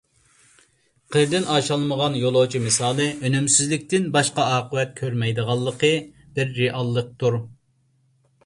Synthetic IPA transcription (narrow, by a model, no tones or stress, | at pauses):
qʰəɾd̪ɪnɑːʃɑlˠməʁɑnjolˠot͡ʃʰimɨsɑːlˠɨʔønymsɪzlɪk̚ʲt̪ɪnbɑʃqɑɑːqʰəwɛt̪̚kʲʰøɾmɛjd̪əʁɑlˠːəqʰə | b̥ɪɾːeʔɑlˠːəq̚t̪uɾ